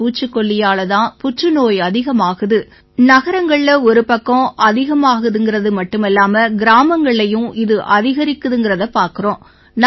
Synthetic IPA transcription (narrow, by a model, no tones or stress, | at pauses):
uːt͡ʃːɯkːɔɭːɪjaːlɐt̪ãːpʊʈrɯnoːjɐðɪɣɐmaːɣɯðɯ | nɐɣɐɾɐŋɡɐɭlɐɔɾɯpɐkːõʔɐðɪɣɐmaːɣɯðɯŋɡɪrɐðɯmɐʈːɯmɛlːaːmɐɡɪɾaːmɐŋɡɐɭɐjɯ̃ʔɪðɯʔɐðɪɣɐɾɪkːɯðɯŋɡɪɾɐðɐpːaːɾkɯrõː | n